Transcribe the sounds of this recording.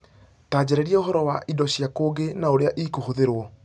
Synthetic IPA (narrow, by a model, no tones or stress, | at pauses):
taːd͡ʑɛɾɛɾiɛoɦɔɾɔwaʔidɔɕjakoːɡenaoɾeaʔikuhuðeɾwɔ